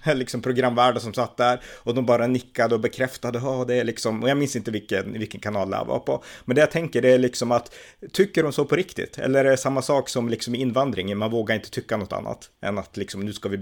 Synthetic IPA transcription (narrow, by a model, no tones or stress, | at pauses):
lɪksɔmpʰɾʊɡɾamːvæːɖasɔmsat̪ːd̪æɾɔd̪ɔmbɑːɾanɪkːad̪əɔbɛkʰɾɛft̪ad̪əɦɑːd̪ɛːɭɪksɔmɔjamɪnsɪnt̪əvɪlkːənvɪlkːənkʰanɑːld̪ɛ̰a̰vɑ̰pʰɔmɛnd̪ɛjat̪ʰɛŋkəɖɛæɭɪksɔmat̪ʰːʏkːəɾhʊnsoːpʰɔɾɪkt̪ɪ̰t̪ʰːɛ̰lːəæɾɖɛsamːasɑːksɔmlɪksɔmɪnːvand̪ɾɪŋmanvoːɡaɾɪnt̪ə̥t̪ʰʏkːanɔt̪ːʰa̰nːa̰t̪ɛ̰nːat̪lɪksɔmnʉ̟ːskavɪ